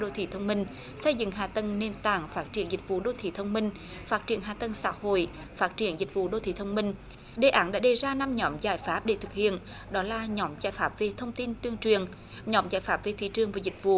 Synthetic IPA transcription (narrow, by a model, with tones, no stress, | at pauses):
ɗo̰˧˨t̪ʰi˧˩t̪ʰə˧wŋ͡mmï˧ŋ̟ | sə˧jzɨ̰˧˨ŋɦaː˨˩t̪ə˧nne˧nt̪a̰ː˧˨˩ŋfaː˦˥t̚t͡ɕi˧˩ənzï˨˩k̚vṵ˧˨ɗo˧˨t̪ʰḭ˧˩˦t̪ʰə˧wŋ͡mmï˧ŋ̟ | faː˦˥t̚t͡ɕi˧˩ənɦaː˨˩t̪ə˧nŋsa̰ː˧˥ho̰˧˨j | faː˦˥t̚t͡ɕi˧˩ənzï˨˩k̟̚vṵ˧˨ɗo̰˧˨t̪ʰi˧˩˦t̪ʰə˧wŋ͡mmï˧ŋ̟ | ɗe˨˩ʔaː˨˦nɗa̰ː˧˥ɗe˨˩zaː˧na˧mɲɔ˨˦mzaː˧˩jfaː˦˥p̚ɗḛ˧˩t̪ʰɨ˨˩k̚hḭ˧˨ən | ɗɔ˨˦laː˨˩ɲɔ˨˦mzaː˧˩jfaː˦˥p̚ve˨˩t̪ʰə˧wŋ͡mt̪i˧nt̪wi˧əŋt͡ɕwi˨˩ən | ɲɔ˨˦mzaː˧˩jfaː˦˥p̚ve˨˩t̪ʰḭ˧˩t͡ɕɨ˨˩əŋvaː˨˩zï˨˩k̟̚vṵ˧˨